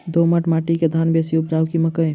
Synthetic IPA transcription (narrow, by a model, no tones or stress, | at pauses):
d̪oːməʈmaːʈiked̪ʱaːnbʱeːsiʊp̚d͡ʒaːʊkiməkəj